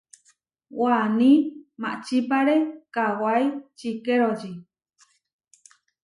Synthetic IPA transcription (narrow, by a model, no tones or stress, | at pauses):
wanĩmã̰ʔt͡ʃipaɾekawajt͡ʃikeɾod͡ʒi